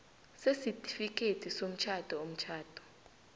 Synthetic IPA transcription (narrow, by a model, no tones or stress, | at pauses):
sesitʰʼi̥fik̬ʼetʰisom̩t͡ʃʰad̥ʱɔom̩t͡ʃʰaːd̥ʱɔ̥